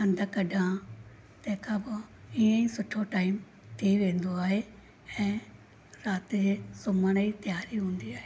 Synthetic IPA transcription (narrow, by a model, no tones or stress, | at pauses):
ɐ̃nd̪ʱəkɐɖʱã | t̪ɐ̃ɦɪ̃kʰãbɪiə̃ĩsʊʈʰoʈaːɪm | t̪ʰiʋẽːn̆d̪oaːɦe | ɛ̃ː | ɾaːt̪ɪd͡ʑeːsʊməɽ̃əit̪ɪjaːɾiɦũːnd̪iaːɦeeː